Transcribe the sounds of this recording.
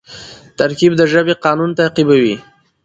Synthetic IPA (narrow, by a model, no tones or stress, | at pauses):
t̪aɾkibd̪əʒəbeqɑnunt̪aːqibawi